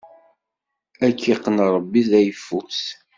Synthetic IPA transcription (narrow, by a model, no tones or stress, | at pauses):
ækʰːiqːənɾˤəbːiðæjfːus